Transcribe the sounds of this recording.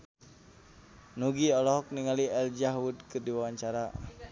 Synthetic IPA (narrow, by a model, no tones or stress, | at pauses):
nuɡiɔlɔɦɔk̚niŋaliɛld͡ʒaɦwudkɨrdiwawaɲt͡ʃaɾa